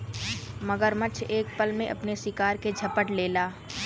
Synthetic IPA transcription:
mɐɡəɾmət͡ʃʰeːk̚pəlmẽʔɐ̰pnesɪkaːɾked͡ʒʱɐpəʈleːlaː

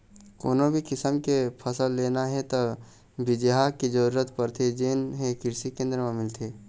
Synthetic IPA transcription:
koːnõbʱikɪsəmkepʰəsəlːeːnaɦɛt̪o | bɪd͡ʒɦakid͡ʒəɾuːɾət̪pəɾt̪ʰed͡ʒeːnɦekɪɾsikẽːnd̪ɾəmẽmɪlt̪ʰeː

